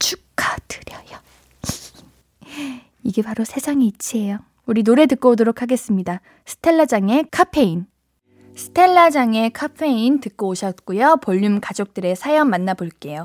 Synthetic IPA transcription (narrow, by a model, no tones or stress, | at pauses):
t͡ɕʰuk͈ʰadɯ̥ɾjʌjʌ | iɡe̞paɾosʰe̞sʰaŋit͡ɕʰiɦejo | uɾinoɾe̞tɯk͈oodoɾokʰaɡe̞s͈ɯmɲida | sʰɯ̥tʰe̞ɭːad͡ʑaŋe̞kʰapʰe̞in | sʰɯ̥tʰe̞ɭːad͡ʑaŋe̞kʰapʰe̞intɯk͈̚ooɕʰʌt̚k͈ujopʌʎːumkad͡ʑok̚t͈ɯɾe̞sʰajʌmːanːaboɭk͈e̞jo